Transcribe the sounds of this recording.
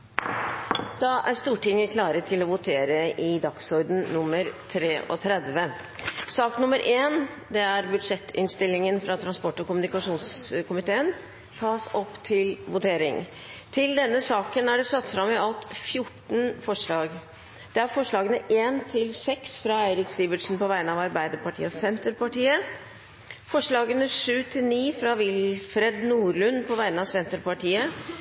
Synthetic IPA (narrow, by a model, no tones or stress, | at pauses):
d̪̥ɑʔæɾʂt̪uːʈɪŋːəkʰlɑːɾət̪ʰɪlɔʋʊt̪ʰeːɾəʔɪd̪ɑksɔɾd̪n̩nʊmːəɾt̪ʰɾeːʔɔ̰t̪ʰɾɛd̪ʋə | sɑːknʊməɾʔeːn | d̪ɛæɾbʉd̪ʂɛt̪ːɪ̰nst̪ɪlːɪŋənfɾɑt̪ʰɾɑnspɔʈːɔkʊmʉnɪkɑʂuːnskʊmɪt̪ʰeːən | t̪ʰɑːsɔpːt̪ʰɪlʋʊt̪ʰeːɾɪ̰ŋ | t̪ʰɪld̪ɛnːəsɑːkənæɖɛsɑt̪sfɾɑmːɛɑlt̪fjʊʈːɳ̩fɔʂɭɑːɡ | d̪̥ɛæɾfɔʂɭɑːɡənəʔeːnt̪ʰɪlsɛksfɾɑæɪɾɪksiːbəʈʂn̩pɔʋæɪnəɑʋɑɾbæɪd̪əɾpɑʈʰḭːəsɛnt̪əɾpɑʈiːə | fɔʂɭɑːɡənəʂʉːt̪ʰɪlniːfɾɑʋɪlfɾɛd̪nuːɾɭʉnpʰɔʋæɪnəɑʋsɛnt̪əɾpɑʈʰiːə